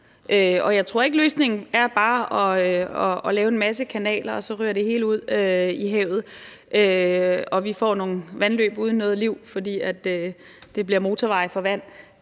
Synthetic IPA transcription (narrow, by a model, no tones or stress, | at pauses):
ʔøɒ̽jɑ̈ɪt͡sʰʁo̝ɐ̰e̝ɡ̥əløːsne̝ŋn̩æɐb̥ɑ̈ːɒ̽ɒːlɛːʊe̝nmæs̬əkʰænɛ̰ːlɐɒ̽sɒ̽ʁyːɐ̰ɾ̥e̝he̝ːluð̞̰ˠøiɦɛʊ̰ð̩ˠ | ʔøɒ̽ʋifɒ̰ːno̝ːŋn̩ʋænlø̰ːb̥uð̞ˠn̩ːɔ̽ːð̞̩ˠliʊ̰fɒ̽d̥ḭːæd̥ø | d̥e̝b̥liɐmo̝ːt͡sʰɒʋɑ̈ɪfɒ̽ʋæn̰